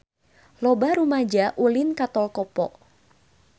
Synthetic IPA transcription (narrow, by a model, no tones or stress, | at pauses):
lɔbaɾumad͡ʒaʔulinkat̪ɔlkɔpɔʔ